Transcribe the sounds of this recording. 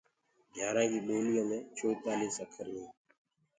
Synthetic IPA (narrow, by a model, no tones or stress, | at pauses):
ɡʱjaːɾãːd͡ʒiːɓoːlɪjãːmẽːt͡ʃʰoːpaːliːsəkʰəɾnĩː